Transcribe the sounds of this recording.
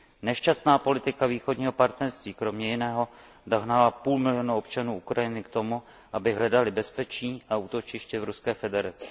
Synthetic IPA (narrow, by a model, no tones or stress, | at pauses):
nɛʃcast̪naːpo̞lɪt̪ɪkaviːxo̞dɲiːɦo̞paɾt̪nɛɾst̪viːkɾo̞mɲɛjɪnɛːɦo̞ | doɦnalapuːlmɪlɪjo̞nuopt͡ʃanuːʔukɾajɪnɪkt̪o̞mu | ʔabɪɦlɛdalɪbɛspɛt͡ʃiːʔauːt̪o̞t͡ʃɪʃcɛvɾuskɛːfɛdɛɾat͡sɛ̥